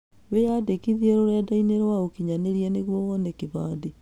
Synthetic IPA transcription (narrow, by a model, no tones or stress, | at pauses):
wejadekiðiɛɾoɾadaineɾwaokiɲaneɾiɛneɣwɔɣɔnekeβaːde